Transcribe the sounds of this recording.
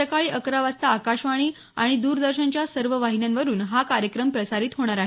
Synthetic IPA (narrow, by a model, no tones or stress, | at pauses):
əkaɭiːʔəkɾaʋast̪aːkaɕʋaɽ̃iː | a̰ɽ̃id̪uːɾd̪əɾɕənt͡ɕjasəɾʋəʋaɦinjanʋəɾuːnɦakaɾjəkɾəmpɾəsaɾiːt̪ɦoɽ̃aɾaɦe